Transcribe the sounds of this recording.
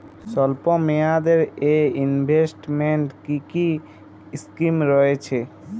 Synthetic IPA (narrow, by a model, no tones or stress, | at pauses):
sɔlpɔ̃mead̪eɾeinbʱesʈmeɳʈkiki | skimɾɔɦet͡ʃʰɛ